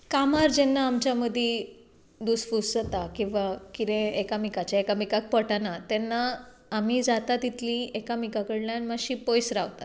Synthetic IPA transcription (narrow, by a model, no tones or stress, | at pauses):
kamaɾd͡ʑɛnːaːmt͡ɕjaməd̪ʱje | d̪uːsfusət̪akĩw̃ʋakit̪ɛ̃ekamikat͡ɕjaekamikak̚pəʈanat̪ɛnːaː | m̤iːd͡zat̪at̪it̪ʰliekamikakəɽljanmaɕiːpojsɾaʋt̪at̪